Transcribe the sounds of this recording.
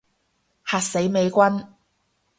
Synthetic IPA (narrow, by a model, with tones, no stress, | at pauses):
haː˨˧t̚se˨˥jme˨˧jkʷɐ˥n